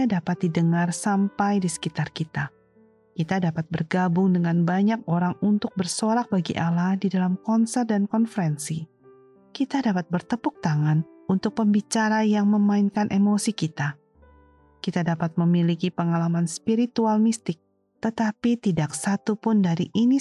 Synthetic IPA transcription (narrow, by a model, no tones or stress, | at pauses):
adapat̪̚didəŋarsampajdisə̥kit̪arkit̪a | kit̪adapat̪̚bərɡabʊŋdəŋanbaɲak̚oɾaŋunt̪ʊk̚bərsoɾak̚baɡḭʔalahdidalamkɔnsɛrt̪̚dankɔnfəɾɛnsi | kit̪adapat̪̚bərt̪əpʊk̚t̪aŋanunt̪ʊk̚pəmbit͡ʃaɾajaŋməmaɪnkanʔemosikit̪a | kit̪adapat̪̚məmilikipəŋalamanspiɾit̪ualmist̪ɪk̚ | t̪ət̪apit̪idaksat̪upʊndaɾiʔini